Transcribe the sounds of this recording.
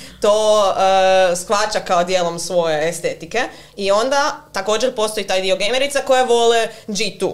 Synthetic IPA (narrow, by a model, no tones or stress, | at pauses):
t̪oːəsxʋat͡ʃakaod̪jeːlˠo̞msʋo̞jeest̪e̞t̪ike̞ | io̞nd̪at̪ako̞ːd͡ʒeɾpo̞st̪o̞jit̪aːjd̪io̞ɡejmeɾit̪sako̞jeʋo̞led͡ʒit̪u